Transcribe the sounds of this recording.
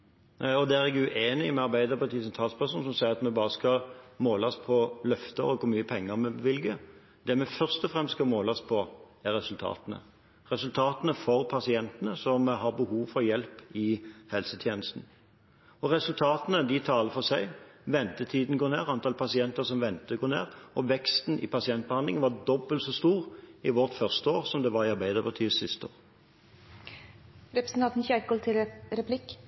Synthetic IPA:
ɔd̪ɛæʁɛɡʉʔeːnɪmɛɑɾbæɪd̪əɾpʰɑt̪ʰisɛnt̪ʰɑːlspæʁʂuːnsɔmsæɪəʁɑt̪mɛbɑːʁəskɑmoːlɑspʰɔlœft̪ə̰ʁɔkɔmyːəpʰɛŋːəʁmɛʋɪlɡə | d̪ɛmɛfœʁst̪ɔfʁɛmst̪skɑmoːlɑspʰɔ | æɾɛsʉlt̪ʰɑ̰ːt̪ənə̰ | ʁɛsʉlt̪ʰɑːt̪ənəfɔɾpʰɑsɪɛnt̪ənəsɔmɦɑʁbəhuːʋfɔɾjɛlpɪhɛlsət̪ʰjeːnəst̪n̩ | ɔʁɛsʉlt̪ʰɑːt̪ənəd̪ɪt̪ʰɑːləfɔsæɪʋɛnt̪ət̪ʰiːd̪n̩ɡoːneːʁɑnt̪ɑːlpʰɑsɪɛnt̪əʁsɔmʋɛnt̪əɡoːnḛːʁɔʋɛkst̪n̩ɪ̰pʰɑsɪɛnt̪̚b̥əhɑnd̪lɪ̰ŋənʋɑʁd̪ɔbːəlt̪sɔst̪uːʁɪʋɔʁt̪fœʁst̪əoːʁsɔmd̪ɛʋɑɾɪɑɾbæɪd̪əʁbət̪ʰyːsɪst̪əo̰ːʁ | ɾɛpɾəsn̩t̪ɑnt̪n̩çɛkɔlt̪ʰɪlɾɛpʰlɪk

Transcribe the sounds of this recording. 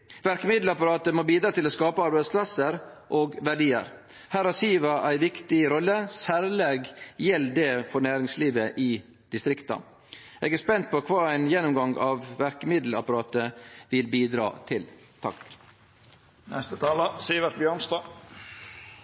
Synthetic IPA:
ʋæɾkəmɪd̪l̩ɑpɑɾɑːt̪əmoːbiːd̪ɾɑːt̪ʰɪloːskɑːpəɑɾbæɪspʰlɑsəɾʔoːɡʋæɖiːə̰ɾ | hæːɾæsiːʋɑʔæɪʋɪkt̪ɪɾɔlːəsæːɾleːɡjɛlːd̪ɛːfɔɾnæːɾɪŋsliːʋəʔɪː | d̪̥ɪst̪ɾɪkt̪ɑ̰ | ʔeɡæspɛnt̪̚pʰɔkʰʋɑːæɪnjɛnːʊmɡɑŋɑːʋʋæɾkəmɪd̪l̩ɑ̰pɑɾɑːt̪əʋɪlbiːd̪ɾɑ̰ːt̪ʰɪl | t̪ʰɑ̰k | nʔɛ̰st̪ət̪ʰɑːlɑsiːʋəɾbjøːɳst̪ɑː

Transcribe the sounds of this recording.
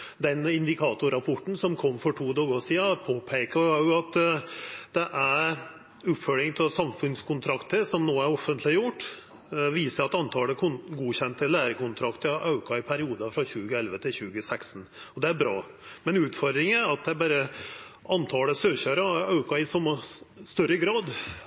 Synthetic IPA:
d̪ɛnɪnd̪ɪkʰɑːt̪ʊɾɑpʰɔʈːn̩sɔmkʰɔmːfɔʈʰuːd̪ɑːɡosiːɑpʰoːpʰɛːkɑjʊɑt̪ | d̪̥ɛʔæɾ | ʉp̪fœlɪŋt̪ʰɛlsɑmfʉnskʰʊnt̪ʰɾɑkt̪əsɔmnoːæɾɔfːənt̪ʰlɪjʊʈː | ʋiːsəɾɑt̪ɑnt̪ʰɑːləkʰʊnɡuːçɛnt̪əlæːɾəkʊnt̪ʰɾɑkt̪əʔɑʉkɑɪpʰæɾɪuːd̪ɑfɾɑɕʉːɡəɛlʋət̪ʰɪlɕʉːɡəsækst̪n̩ɔd̪ɛæɾbɾɑ̰ː | mɛnʉːt̪fɔɾd̪ɾɪŋəɑt̪̚d̪ɛæbɑːɾəʔɑnt̪ʰɑːləsøːçøːɾɑɑʉkɑɪsɔmːɑst̪œɾəɡɾɑːd̪

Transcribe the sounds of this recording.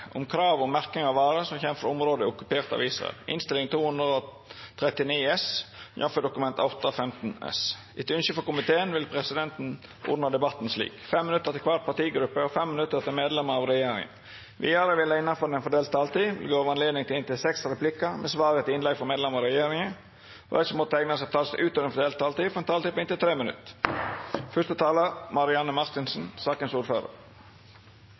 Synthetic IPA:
ʊ̰mkʰɾɑːʋɔmæɾk̪ɪŋɑʋʋɑːɾəsɔmçɛmfɔɾɔmɾoːd̪əʊkʉpeːɾt̪ɑ̰ʋiːsʁɑ̰ɛ̰lɪ̰nst̪ɪlɪŋt̪ʰuːhʉnd̪ɾəɔ | t̪ʰɾɛt̪ɪniːɛsjɑ̰fɔd̪ʊkʉmɛnt̪ɑʊt̪ːɑfɛmt̪n̩ɛ̰s | ɪt̪ʉnʃəfɔkʊmɪt̪ʰeːənʋɪlpʰɾɛsɪd̪ɛnt̪n̩ʔɔ̰d̪nɑd̪ɛbɑt̪ːn̩slḭːkfɛmːɪnʉt̪ːəɾt̪ɪlkʰʋɑt̪̚pʰɑt̪iːɡɾʉpːəɔfɛmːɪnʉt̪ːəɾt̪ɪlmeːd̪lɛməɾɑʋɾɛjeːɾɪ̰ŋə̰n | ʋɪ̰ːɑɾəʋɪlːəɪnːɑnfɔɾɛnɛnfɔd̪eːlt̪ʰːɑːlt̪iːʋɪ̰lɡoːʋəɾɑnleːd̪nɪŋt̪ɪlɪnt̪ɪlsɛksɾɛpʰlɪkːəmɛsʋɑːɾət̪ɪnlɛɡfɔɾmeːd̪lɛmɑɾɛjeːɾɪŋə̰ | ɪsɔmɔt̪əæŋnəsɛt̪ʰɑːlsʔʉːt̪ɔʋɛnfɔdeːlt̪t̪ʰːɑːlt̪iːfɔɾɛnt̪ʰɑːiːpʰɔɪnt̪ɪlt̪ʰɾeːmənʉ̰t̪ː | fœst̪ət̪ʰɑːləɾmɑɾɪɑnəmɑɾt̪ɪnsn̩sɑːkənsuːɾføːɾə̰ɾ

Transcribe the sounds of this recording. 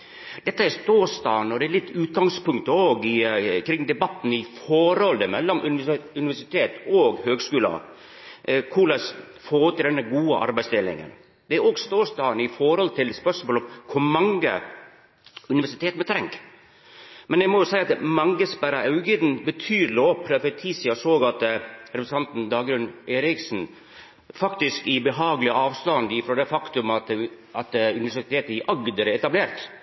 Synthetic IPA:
d̪̥ɛt̪ːəæɾst̪oːst̪ɑ̰ːnɔd̪ɛæɾlɪt̪ːʉːt̪̚ɡɑŋspʊŋkt̪əoːɡɪkʰɾɪŋːd̪ɛbɑt̪ːn̩ɪfɔɾɔlːəmɛlːɔmʔʉnɪʋæʂɪt̪ʰeːt̪oːɡhøːɡskʉːlɑ̰ | kʰulɑs | foːɾt̪ʰːɪld̪ɛnːəɡuːəʔɑ̰ɾbæɪst̪ɪlɪ̰ŋə̰n | d̪ɛæɾoːɡst̪oːst̪ɑːnəɪfɔɾhɔlt̪ʰɪlspœʂmoːlɔmkʰʊɾmɑŋɡə̰ | ʉnɪʋæʂɪt̪ʰeːt̪mɛt̪ʰɾɛŋk | mɛnjɛɪmɔjʊsæɪɑt̪mɑŋɡəsbæɾɑʔɑʉɡid̪n̩bət̪ʰyːɾloːpʰɾɛfɛt̪ʰiːsɪɑsoːɡɑt̪ɾɛpɾst̪ɑnt̪n̩d̪ɑːɡɾʉnːeːɾɪksn̩ | fɑkt̪ɪskɪbəɦɑːɡlɪəɑːʋst̪ɑnd̪ɪfɾɔːd̪ɛfɑkt̪ʉmɑt̪ | ɑt̪ʉnɪʋæʂɪɪt̪ʰeːt̪ɪʔɑɡd̪əɾɛɛt̪ɑbleːɾt̪

